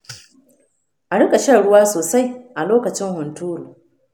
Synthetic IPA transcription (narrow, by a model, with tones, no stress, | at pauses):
ʔa˨ɽɪ˦kʼa˨ʃɐ˦˨ɽʊ˦waː˦soː˨sa˦jʔa˨loː˦kɐ˨t͡ʃɪ˦ŋhʊ˨ntuː˦ɾuː˨